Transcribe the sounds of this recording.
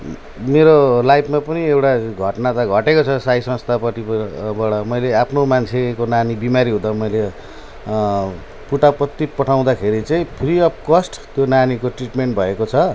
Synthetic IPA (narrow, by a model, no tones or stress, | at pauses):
meɾolajpʰmapʌniewʈaɡʱʌʈnat̪ʌɡʱʌʈekot͡sʰʌsajsʌ̃nst̪ʰapʌʈibaɽʌmʌjleapʰnomant͡sʰekonanibimaɾiɦud̪ʌmʌjle | puʈapʌt̪ːipʌʈʰaw̃d̪akʰeɾit͡saĩpʰriʌp̚ʰkʌsʈt̪jonanikoʈriʈmeɳʈbʱʌekot͡sʰʌ